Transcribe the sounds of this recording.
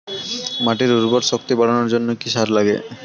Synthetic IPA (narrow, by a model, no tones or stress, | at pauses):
maʈiɾuɾbɔɾʃokt̪ibaɽanoɾd͡ʑonːokiʃaɾlaɡḛ